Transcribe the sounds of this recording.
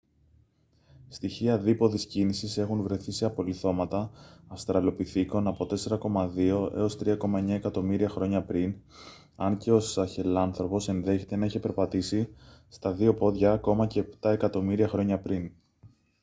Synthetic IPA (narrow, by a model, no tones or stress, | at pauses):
st̪içiɐðipo̞ðiscinisise̞xunvɾe̞θise̞ɐpo̞liθo̞mɐt̪ɐːfst̪ɾɐlo̞piθiko̞nɐpo̞t̪e̞se̞ɾɐko̞mɐðio̞ʔe̞̰o̞st̪ɾiɐko̞mɐe̞ɲɐe̞kɐt̪o̞miɾiɐxɾo̞ɲɐpɾin | ɐnce̞o̞sɐçe̞lɐnθɾo̞po̞se̞nðe̞çe̞t̪e̞nɐiçe̞pe̞ɾpɐt̪isist̪ɐðio̞po̞ðʝɐko̞mɐce̞ːpt̪ɐe̞kɐt̪o̞miɾiɐxɾo̞ɲɐpɾin